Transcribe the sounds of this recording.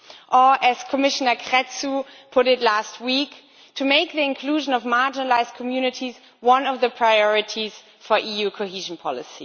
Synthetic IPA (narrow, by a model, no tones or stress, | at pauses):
ʔə˞ʔɨz̥kʰəmɪʃənə˞kʰɹɛtsupʰʊɾɨtˡlast̚wik | tʰɨmeɪk̚ðiɪ̃nkʰl̥uːʒə̃nʌvmaɹd͡ʒɪnəlaɪzd̚kʰəmjʉːnɨtʰiz | wʌ̃nʌvðəpʰɹ̥aɪɔɹɪtʰiz̥ | fə˞ʔijuːkʰohiːʒn̩pʰɔlɪsḭ